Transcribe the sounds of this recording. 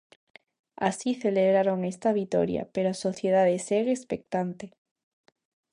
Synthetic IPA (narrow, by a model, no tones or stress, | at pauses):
a̰siθeleβɾaɾoŋest̪aβ̞it̪o̰ɾja̰peɾoasoθjeðaðeseɣespek̚t̪ant̪e